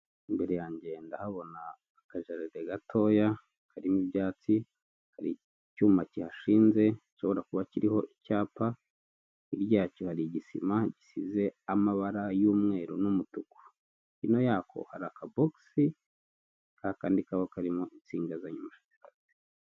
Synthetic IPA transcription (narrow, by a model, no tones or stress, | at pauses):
imbe̞ɾe̞jaːɲɟe̞ndahaβo̞naː | kaʒaɾiɾeɡatʰo̞ːja | kʰaɾimibjaːt͡si | kaɾḭ | cuːmacihaʃiːnze̞iʃo̞βo̞ɾakuβaciɾiho̞ʔicaːpa | iɾɟaːcohaɾiɟisḭmaɟisize̞amaβaɾajuːmŋe̞ːɾonumutuku̥ | ino̞jaːko̞̰haɾakaboksi | kahakaːndikaβokaɾimoʔit͡siːŋɡazaɲumaʃḁcaɾate̥